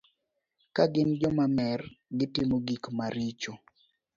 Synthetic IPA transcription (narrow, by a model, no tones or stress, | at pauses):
kaɡɪnd͡ʒɔmamɛrɡɪtɪmoɡikmaɾit͡ʃo